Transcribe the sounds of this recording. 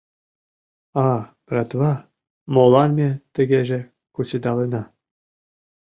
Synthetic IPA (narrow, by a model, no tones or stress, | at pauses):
ɑprʲɑt̪βɑ | molˠɑnmʲet̪ɘ̆ɡʲeʒĕ | kut͡ɕĕd̪ɑlenɑ